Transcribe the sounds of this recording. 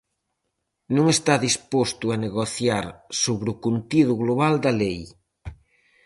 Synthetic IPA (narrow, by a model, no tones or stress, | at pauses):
nõŋest̪aðispost̪ʊaneɣoθjaɾsoβɾʊkunt̪iðʊɣloβald̪ɐlej